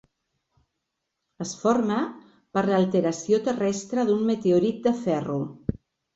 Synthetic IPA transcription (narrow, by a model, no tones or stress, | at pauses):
əsfoɾmə | pəɾlalˠt̪əɾasiot̪ərɛst̪ɾəðunmət̪eoɾit̪̚d̪əfɛru